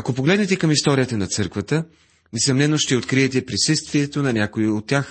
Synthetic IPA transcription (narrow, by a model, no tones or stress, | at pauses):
ɐkopoɡlɛd̪nɛt̪ɛkɐmist̪ɔɾijət̪ənɐt̪sɤɾkvət̪ə | nɛsɐmnɛnoʃt̪ɛot̪kɾiɛt̪ɛpɾisəst̪viɛt̪onɐnʲakoiot̪ːʲax